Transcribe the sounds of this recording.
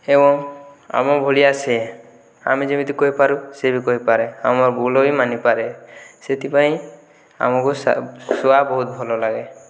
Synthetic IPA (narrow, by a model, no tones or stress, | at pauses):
ebɔŋ | a̰mɔbʱolijase | a̰mid͡ʒemit̪ikoɦipaɾusebikoɦipaɾɛamɔɾbulɔbimanipaɾeset̪ipaĩ | a̰mɔkussɔwabɔɦut̪̚bʱɔlɔlaɡe